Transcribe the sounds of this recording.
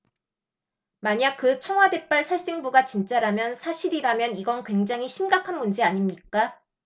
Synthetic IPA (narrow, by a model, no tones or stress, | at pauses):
maɲak̚kɯt͡ɕʰʌŋwade̞p͈aɭsʰaɭs͈eŋbuɡat͡ɕint͡ɕ͈aɾamjʌnsʰaɕʰiɾiɾamjʌniɡʌnkwe̞ŋd͡ʑaŋɦiɕʰimɡakʰanmund͡ʑiaɲimɲik͈a